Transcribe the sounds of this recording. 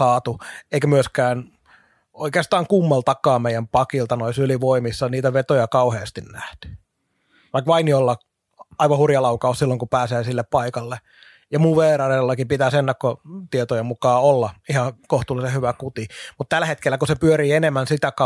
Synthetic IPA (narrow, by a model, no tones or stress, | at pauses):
ɑːt̪ueikæmyøskæːn | oikeːst̪ɑːŋkumːɑlt̪ɑkːɑːmeijˑæmpɑkilt̪ɑnoisyliʋoimisːɑniːt̪æʋet̪ojɑkɑuheːst̪innæht̪y̥ | ʋɑikʋɑinjolːɑ | ɑiʋɑhurjɑlɑukɑossilːoŋkupæːseːsilːeppɑikɑlːe | jɑmuʋʋeːɾɑrelːɑkipit̪æsenːækkot̪iet̪ojemukɑːolːɑihɑkoht̪uːlːˑisehyʋækut̪imut̪t̪ælːæhet̪kelːækusepyøɾiːenemːænsit̪ækɑ